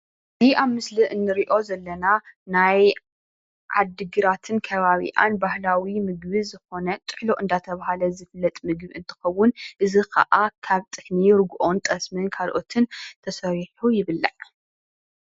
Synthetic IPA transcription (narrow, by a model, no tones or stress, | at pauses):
ɨziʔaβmɨsliʔɨnːɨɾiʔo̞zɐlːɐnanaj | ʕa̰d̪ɨɡɨɾat̪ʰɨnkʰɐβaβḭʔa̰nbahlawimɨɡbɨzɨxo̞nɐt̪ʼɨħloʔɨnd̪at̪ʰɐβahalɐzɨflːɐt̪ʼmɨɡbɨnt̪ʰɨ̥xɐwːʊnʔɨzikʰɐ̰ʔakʰaβt̪ʼɨkniɾɡuʔo̞nt̪ʼɐsmɨnkʰalʔo̞t̪ʰɨnt̪ʰɐsɐɾiħujɪβɨlːa̰ʕ